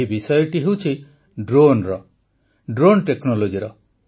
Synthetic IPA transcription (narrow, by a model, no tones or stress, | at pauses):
ibisɔjɔʈiɦewt͡ʃʰi | ɖɾonɾɔ | ɖɾonʈeknɔlod͡ʒiɾɔ